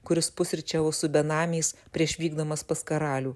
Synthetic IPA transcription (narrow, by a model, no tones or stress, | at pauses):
kʊɾʲɪspʊsʲɾʲt͡ʃʲɛːʋosʊbʲɛnɑːmʲɛɪspʲɾʲiɛʃʋʲiːɡd̪omɐspɐskɐɾɑːlʲuː